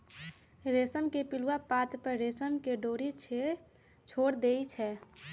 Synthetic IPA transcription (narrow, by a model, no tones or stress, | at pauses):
ɾesəmkepiluwapat̪pəɾɾesəmkeɖoːɾit͡ʃʰe | t͡ʃʰoːɽd̪eit͡ʃʰɛ